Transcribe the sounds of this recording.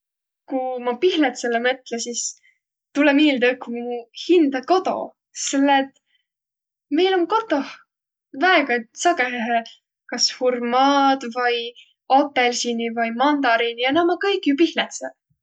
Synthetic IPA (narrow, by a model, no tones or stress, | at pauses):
kumɑpihlet̪selːemɤt̪lesis | t̪ulemiːld̪əkːumuhind̪̥ɑko̞t̪o̞̰ | selːeːt̪ː | me̞jloŋko̞t̪ːˑoh | væeɡ̥ɑsɑɡeɦeɦe | kɑshurmɑːd̪̥vɯj | opːelsinivɯjmɑnd̪ɑɾinijɑnɑmɑkɤjkːˑjupihlet̪se